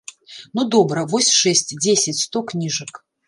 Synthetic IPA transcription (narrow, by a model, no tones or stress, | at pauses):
nud̪ɔbɾɐvɔsʲʂɛsʲtʲd͡zʲesʲɪt͡sʲst̪oknʲiʐɨk